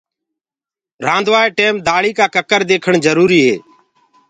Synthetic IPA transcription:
ɾãːnd̪ʋaːeːʈeːmd̪aːɭiːkaːkəkəɾd̪eːkʰəɳd͡ʒəɾuːɾiːɦḛː

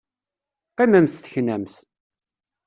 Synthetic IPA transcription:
qimæmθθə̥çnæmθ

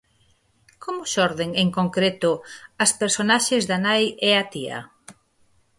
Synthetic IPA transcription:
kʰomʊʃɔɾðeŋeŋkoŋkɾet̪ʊaspeɾsonaʃezðanajeat̪iɐ̰

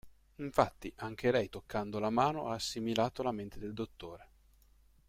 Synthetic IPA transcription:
iɱfat̪ːiʔaŋk̟ʰelɛjt̪okʰːand̪olamaːnoʔaːsːimilaːt̪olament̪ed̪eld̪ot̪ːoːɾe

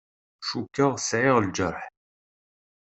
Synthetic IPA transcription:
ʃukːəʁsʕɪʁld͡ʒəɾˤħ

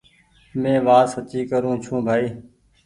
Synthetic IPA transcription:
mẽːʋaːsət͡ʃiːkəɾũːt͡ʃʰũːbʱaːiː

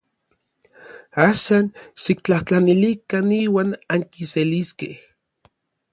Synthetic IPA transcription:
aːʃanʃikt͡ɬaht͡ɬanilikaniːwaːnaŋkiseliskeh

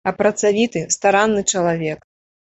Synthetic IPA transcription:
ɐpɾɐt̪savʲit̪ɨst̪aɾanːɨt͡ʂɐlˠavʲɛk

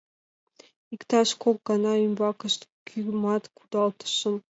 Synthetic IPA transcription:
ikt̪ɑʃkʰok̚ɡɑnɑymbɑkəʃt̪kʰymɑt̪kʰud̪ɑlˠt̪ʰə̥ʃəm

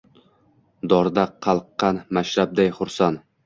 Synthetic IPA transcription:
d̪ɒɾd̪aqʰɑlˠqːɑnmaʃɾab̚d̪ajχʊɾsan

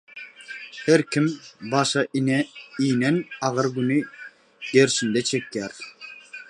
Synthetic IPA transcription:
heɾkʲʰimbɑʃɑʔinijnɛnɑʁɯɾɡyni | ɡ̪̥eɾʃind̪ɛt͡ʃʰekʰʲːæɾ

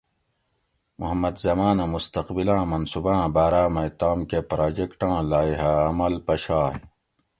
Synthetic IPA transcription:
muɦɐmːɐd̪zɐmaːnamust̪ɐqbilãːmɐnsubãːbaːɾaːmɐt̪aːmkepɾaːd͡ʑekʈãːlaːiɦaɐmɐlpɐɕaːɦ

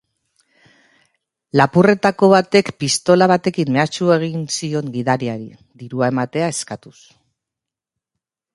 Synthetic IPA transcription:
lapure̞t̪ako̞βat̪e̞kpist̪o̞laβ̞at̪e̞kimme̞at͡ʃue̞ɣ̞insio̞ŋɡiðaɾiaɾi | ðiɾuae̞mat̪e̞ae̞skat̪us

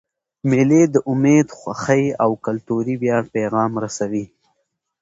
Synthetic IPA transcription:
meled̪əʔʊmed̪xʷwaxəjawkalt̪uɾibjɑɽpeɣɑmɾasawi

